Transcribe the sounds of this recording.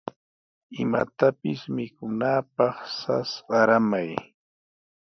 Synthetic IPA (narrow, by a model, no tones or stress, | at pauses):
ɪma̰t̪apɪsmɪkʊnaːpɑχsa̰sɢɑɾamaj